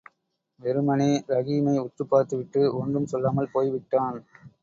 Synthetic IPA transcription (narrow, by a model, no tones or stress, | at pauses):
ʋɛɾɯmɐneːɾɐɣiːmɐɪʊʈrɯpːaːɾt̪ɯʋɪʈːɯɔndrɯmsɔlːaːmɐlpoːjʋɪʈːaːn